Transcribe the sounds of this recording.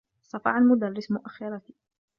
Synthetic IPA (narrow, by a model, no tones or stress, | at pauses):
sˤɑfɑ̰ʕalmʊd̪arːɪsmʊʔaxːɪɾˤɑt̪i̥